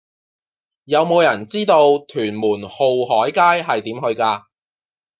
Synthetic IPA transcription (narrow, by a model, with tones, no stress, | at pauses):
jɐ˨˧wmo˨˧wjɐ˨˩nt͡siː˥t̪o˧wt̪ʰyː˨˩nmuː˨˩nho˨wɦɔː˨˥jkaː˥jɦɐ˨jt̪iː˨˥mɦɵ˧ɥkaː˧